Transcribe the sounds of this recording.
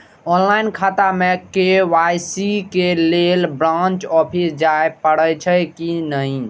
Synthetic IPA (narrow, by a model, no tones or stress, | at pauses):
ɔnlainkʰat̪amekeʋajsikelelbɾãnt͡ʃɔpʰisd͡ʒaepəɽət͡ʃʰəkinəi